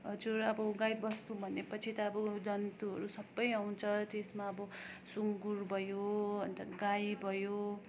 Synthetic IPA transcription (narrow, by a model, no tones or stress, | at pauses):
ʌd͡zuɾʌbʌɡajbʌst̪ubʱʌnepʌt͡sʰit̪ʌːbʌd͡zʌnt̪uɦʌ̰ɾusʌbːʌjaw̃nt͡sʰʌt̪esmaʌbʌsuŋɡurbʱʌjoɦʌnt̪ʌɡajbʱʌjo